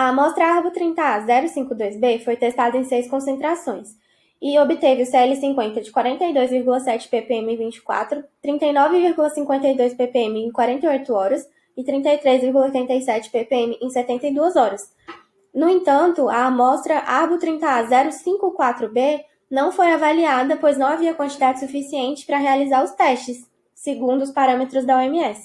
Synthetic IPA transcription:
ɐmɔst̪ɾɐahbut̪ɾĩt̪ɐazɛɾʊsĩŋkʊd̪ojzbefojt̪est̪ad̪ɐẽj̃sejskõsẽnt̪ɾasõj̃s | ɪobɪt̪evɪʊseɛlɪsĩŋkwẽnt̪ɐd͡ʒɪkwaɾẽnt̪ɐjd̪ojzviɾɡulɐsɛt͡ʃɪ̥pepeẽmɪẽvĩt͡ʃɪ̥kwa̰t̪ɾʊt̪ɾĩnt̪ɐjnɔvɪviɾɡulɐsĩŋkwẽnt̪ɐjd̪ojspepeẽmɪẽj̃kwaɾẽnt̪ɐjojt̪ʊɔɾɐs | ɪt̪ɾĩnt̪ɐjt̪ɾezviɾɡulɐojt̪ẽnt̪ɐjsɛt͡ʃɪ̥pepeẽmɪʔẽj̃sɛt̪ẽnt̪ɐjd̪uɐzɔɾɐs | nʊẽt̪ɐ̃nt̪ʊamɔst̪ɾɐʔabut̪ɾĩnt̪ɐazɛɾʊsĩŋkʊkwat̪ɾʊbe | nɐ̃w̃fojavaliad̪ɐpojznɐ̃w̃aviɐkwɐ̃nt͡ʃɪd̪ad͡ʒɪsufisiẽnt͡ʃɪ̥pɾɐɦealizaɾʊst̪ɛst͡ʃɪsː | eɡũnd̪ʊspaɾɐ̃met̪ɾʊzd̪ɐɔemiɛsɪ̥

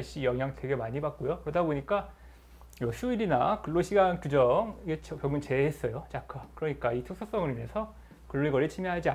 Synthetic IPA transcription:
ɭɕ͈ijʌŋɦjaŋtwe̞ɡe̞maɲibak̚k͈ojokɯɾʌdaboɲik͈a | jʌsʰuiɾinakɯɭːoɕʰiɡankud͡ʑʌŋɡet͡ɕʰʌpjʌŋɯnt͡ɕe̞ɦes͈ʌjot͡ɕakʰakɯɾʌɲik͈aitʰuk̚sʰos͈ʌŋɯɾine̞sʰʌ | kɯɭːoiɡʌɭːit͡ɕʰimiɦad͡ʑia

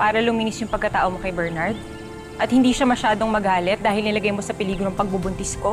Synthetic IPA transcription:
paːɾɐlʊmiːnɪsjʊŋpɐɡ̚kɐt̪aːʔomokɐjbɛɹnɐɹd̪̚ | ʔɐt̪̚hɪnd̪iːʃɐmɐʃaːd̪o̞ŋmɐɡaːlɛt̪̚d̪aːhɪlnɐlɐɡɐjmo̞sɐpɪliːɡɾoŋpɐɡ̚bʊbʊnt̪ɪsko̞

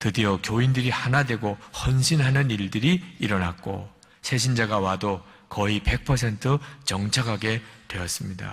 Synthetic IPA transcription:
tɯdiʌkjoindɯɾihanadwe̞ɡohʌnɕʰinɦanɯniɭdɯɾiiɾʌna̰k̚k͈o̰ | sʰe̞ɕ̬ʰind͡ʑaɡawado | kʌipe̞k̚pʰʌs̬ʰe̞ntʰɯt͡ɕʌŋt͡ɕʰakʰaɡe̞twe̞ʌs͈ɯmɲida̰

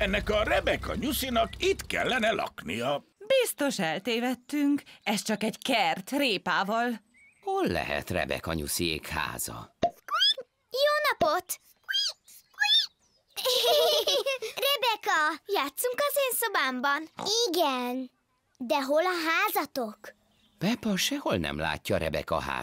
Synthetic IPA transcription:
ɛnːɛkɒrɛbɛkɒ̰ɲusinɒkit̪kɛ̰lːɛnɛlɒ̰knijɒ | bist̪o̞ʃɛlt̪eːvɛt̪ːyŋkɛst͡ʃɒkɛɟkɛrt̪reːpaːvɒl | holːɛ̰ɦɛ̰t̪rɛ̰bɛ̰kɒɲṵsiḛːkha̰ːz̥ɒ | joːnɒpot̪ | rɛbɛkɒjaːt̪suŋkɒzeːnso̞baːmbɒniɡɛn | d̪ɛɦolɒɦaːzɒt̪o̞k | pɛpɒʃɛho̞lnɛ̰mla̰ːcːɒːɾɛbɛkɒɦa̰ː

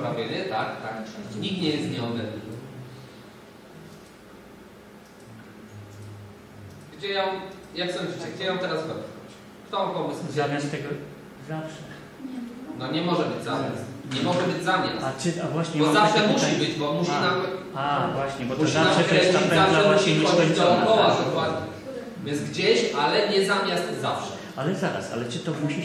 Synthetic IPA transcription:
ɾavʲjɛnɛt̪akt̪akɲik̚t̪ɲɛjɛst̪ɲɛɔd̪lɛninɨ | xd͡ʑɛjɔ̃mjakːsɛmvit͡ɕɛɡd͡ʑɛjɔ̃w̃t̪ɛɾasvɛt̪ɔ̰t͡ɕ | kt̪ɔ̃pɔmɨswuzamat̪ɛɡɔ | zafʂɛ | nɔɲɛmɔʐɛbɘd͡ʑzamʲja̰st̪ɲɛmɔʐɛbɘd͡ʑzamɲa̰sat͡ʂɨavwaɕɲɛbɔzafʂɛmuɕibɘd͡ʑbɔmuɕinam | avwaɕɲɛbɔtmuɔɕianamʂɛɾɛaaɛaɕiɔɛɔipɔwad̪ɔkwad̪ɲɛ | vʲjɛnzɡd͡ʑeɕalɛɲɛzamʲjast̪zafʂɛ | alɛzaɾa̰sa̰lɛt͡ʂɨt̪ɔmuɕi

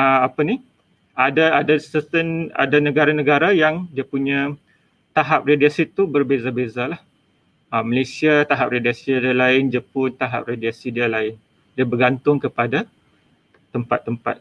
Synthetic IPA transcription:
əapanih | adaadasət̪əna̰danəɡaɾanəɡaɾajaŋdiapuɲã | t̪aɦap̚rediasit̪ːubərbezabezalah | əməlesiat̪aɦap̚rediasidialaɪnd͡ʒəpʊnt̪aɦa̰p̚rediasidialaɪn | diabərɡant̪ʊŋkəpada | t̪ːəmpa̰t̪ːəmpa̰t̪̚

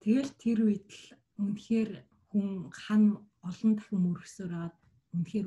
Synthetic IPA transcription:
t̪ʰeɣeːɮt̪ʰːerwit̪ɘ̆ɮ | unxeːr | xuŋχan | ɔɮɞ̆nt̪ʰḁxʲɪ̆mɵɾɵ̆xsoːpæːʁaːt̪̚ | unxeːr

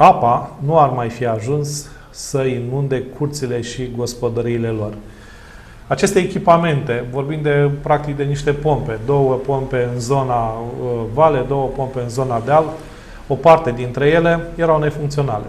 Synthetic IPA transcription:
apanuarmajfiaʒunsː | əinund̪e̞kʰurt̪sile̞ʃiɡo̞spo̞d̪əɾiːle̞lo̞r | at͡ʃe̞st̪e̞ːkʲipame̞nt̪e̞vo̞rbind̪d̪e̞pɾak̚t̪ik̚d̪e̞niʃt̪e̞po̞mpe̞d̪o̞wəpo̞mpe̞ɨnzo̞na | vale̞d̪o̞wəpo̞mpe̞ɨnzo̞nad̪eal | opart̪e̞d̪int̪ɾe̞je̞le̞jeɾawne̞fuŋkt̪sio̞na̰lḛ

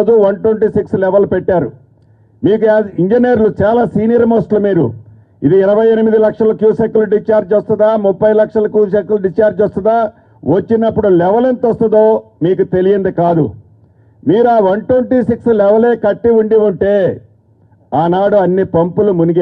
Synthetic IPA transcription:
d͡ʒuʋɐnʈweɳʈiːsikslɛʋɐlpɛʈːaːɾṵ | miːkuiɲd͡ʒinjeɾlut͡ʃaːlaːsiːnijɐɾmoːsʈlumiːɾṵ | id̪iːɾɐʋɐjenimid̪ilɐkʂɐlɐkjuːsekːuluɖit͡ʃaːɾd͡ʒɔst̪und̪aːmupːɐjlɐkʂɐlɐkjuːʃekːuluɖit͡ʃaːɾd͡ʒɔst̪ɐnd̪aː | ʋɐt͡ʃːinɐpːuɽulɛʋɐlent̪ɔst̪ɐd̪o̞ː | miːkut̪e̞lijɐnd̪ikaːd̪ṵ | miːɾuaːʋɐnʈweɳʈiːsikslɛʋɐle̞ːkɐʈːiuɳɖiuɳʈe̞ː | aːnaːɽuɐnːipɐmpulumuniɡe

